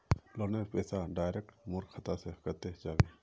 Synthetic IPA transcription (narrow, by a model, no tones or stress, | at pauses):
loːnepɛːsaɖaːjɾek̚ʈmʊɾɡxʰət̪asekɐt̪ed͡ʒaːʋeː